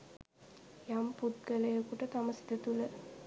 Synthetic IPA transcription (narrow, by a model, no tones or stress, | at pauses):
jamput̪̚ɡələjəkuʈət̪aməsi̥d̪ət̪ulə